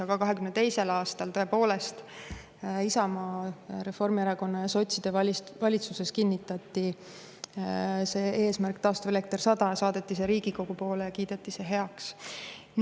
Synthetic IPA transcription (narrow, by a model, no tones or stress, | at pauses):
ɑɡ̥ɑkɑɦe̞kymnet̪e̞jse̞lɑːst̪ɑlt̪oepo̞ːle̞st̪ | isɑmɑːɾe̞fo̞rmieɾɑko̞nːɑjɑso̞t̪ʲsid̪̥evɑlvɑlʲit̪suse̞skinʲːit̪ːˑɑt̪ːi | seːe̞ːsmærkt̪ɑːst̪uvle̞kt̪ersɑd̪ɑsɑːd̪e̞t̪ːise̞ɾiːɡ̥iko̞ɡ̥upo̞ːlejɑkiːd̪̥et̪ˑːise̞ɦe̞ɑks | n